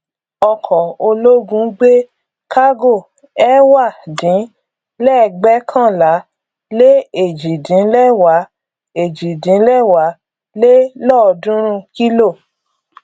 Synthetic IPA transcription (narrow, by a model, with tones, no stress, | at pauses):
ɔ˧kʰɔ˨o˧lo˦ɡũ˦ɡ͡be˦ | ka˦ɡo˦˨ | ɛ˦wa˦˨dĩ˨˦ | lɛ˦˨˧ɡ͡bɛ˦kʰã˦˨la˨˦ | le˦e˨d͡ʒi˨dĩ˨˦lɛ˦˨wa˨˦ | e˨d͡ʒi˨dĩ˨˦lɛ˦˨wa˨˦ | le˦lɔ˦˨˧dũ˦ɾ̃ũ˦ki˦lo˦˨